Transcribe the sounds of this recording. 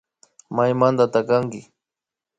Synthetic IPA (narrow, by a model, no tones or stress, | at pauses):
majmand̪at̪akaŋkɪ